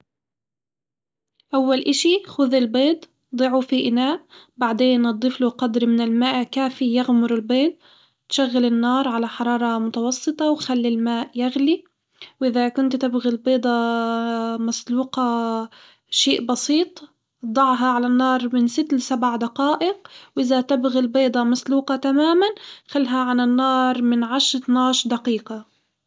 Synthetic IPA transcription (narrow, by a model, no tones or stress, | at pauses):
ʔawːalʔaʃixʊðɪlbeːt̪ | d̪ˤɨʕufiʔɪnaːʔ | baʕd̪eːnʔɑd̪ˤːɨfluqɑd̪ɾmɪnɪlmaːʔkaːfijaɣmʊɾɪlbeːt̪̚ː | ʃaɣːalɪnːɑːɾˤʕalaħɑɾˤɑːɾˤɑmʊt̪ɑwɑsˤːɨt̪ˤɑwxalːilmaːʔjaɣli | wʔɪðakʊnt̪t̪ɪbɣilbeːd̪ˤɑ | masluːqɑ | ʃeːʔbɑsiːt̪ˤ | d̪ˤɑʕɦɑʕalanːɑːɾˤmɪnsɪt̪ːlsabʕad̪aqɑːʔɪqwʔɪðat̪ɪbɣilbeːd̪ˤɑmasluːqɑt̪amaːmanxalːɦaʕananːɑːɾˤmɪnʕaʃɾˤt̪naːʃd̪aqiːqɑ